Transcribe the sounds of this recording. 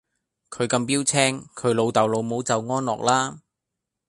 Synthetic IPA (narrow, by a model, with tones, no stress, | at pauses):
kʰɵ˨˧ɥkɐ˧mpiː˥wt͡sʰɛː˥ŋkʰɵ˨˧˥ɥlo˨˧wt̪ɐ˨˩wlo˨˧wmo˨˥wt͡sɐ˨wŋɔː˥nlɔ̰ː˨k̚laː˥